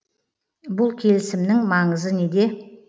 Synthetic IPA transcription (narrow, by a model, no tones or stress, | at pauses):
bʊlˠkʲʰe̞lɪsɪmnɪŋmɑɴəzəne̞d̪e̞